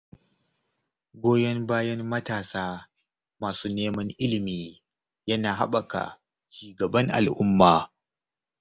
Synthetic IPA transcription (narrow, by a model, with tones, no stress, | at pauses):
ɡʷoː˦jɐ˦ŋbaː˦jɐ˦mmɐ˦taː˨saː˦ | maː˨suː˦neː˦mɐ˦ŋʔɪ˦lɪ˨miː˨ | jɐ˦naː˨ɦa̰˦ɓɐ˨ka̰˨ | t͡ʃiː˨ɡɐ˨bɐ˦ŋʔa̰˨lʔʊ˦mːaː˨